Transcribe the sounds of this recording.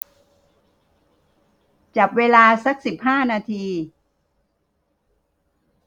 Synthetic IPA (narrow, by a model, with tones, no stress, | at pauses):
t͡ɕa˨˩p̚weː˧laː˧sa˦˥k̚si˨˩p̚haː˥˩naː˧t̪ʰiː˧